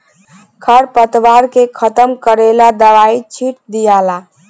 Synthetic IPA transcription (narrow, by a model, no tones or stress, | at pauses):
kʰəɾpət̪ʋaɾkekʰət̪əmkəɾelad̪əʋait͡ʃʰiʈ̚d̪ijala